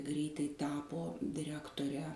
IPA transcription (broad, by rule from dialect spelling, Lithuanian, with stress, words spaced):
ˈɡrʲɛɪtɐɪ ˈtɑːpoː dʲɪˈrʲæːktoːrʲɛ